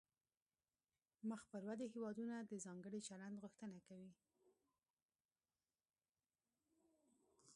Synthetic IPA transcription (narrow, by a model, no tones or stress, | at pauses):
məxpəɾwad̪eɦewɑd̪unad̪əzɑŋɡəɽit͡ʃaland̪ɣʊxt̪ənakawi